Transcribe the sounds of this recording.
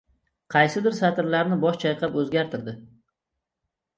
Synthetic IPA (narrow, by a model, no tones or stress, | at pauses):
qʰɑjsɪd̪ɪɾsat̪ɪɾlaɾnɪbɒʃt͡ʃʰajqʰɑpɵzɡʲaɾt̪ʰɪɾd̪ɪ